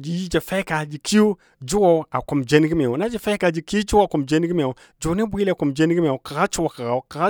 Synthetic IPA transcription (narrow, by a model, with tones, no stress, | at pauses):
d͡ʒi˨ji˦d͡ʒa˨fa˦ka˨d͡ʒi˨kʰi˦u˦ | d͡ʒi˦wo˨˦a˨ku˨md͡ʒe˦n˦ɡi˦m˨e˨wu˨na˦d͡ʒa˨fa˦ka˨d͡ʒi˨ki˦u˦d͡ʒi˦wa˨ku˨md͡ʒe˦n˦ɡi˦m˦e˨u˨ | d͡ʒu˨˦ne˦bʷi˦le˨ku˨md͡ʒe˦n˦ɡi˦m˦e˨u˨ka˨ɣa˦t͡ʃu˦wa˨ka˨ɣa˨u˨ka˨ɣa˦